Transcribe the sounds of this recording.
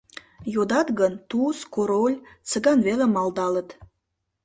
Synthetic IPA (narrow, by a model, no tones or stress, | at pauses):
jod̪ɑt̪ɣənt̪uskoɾolʲt͡sə̆ɡɑnvelemɑld̪ɑlə̆t̪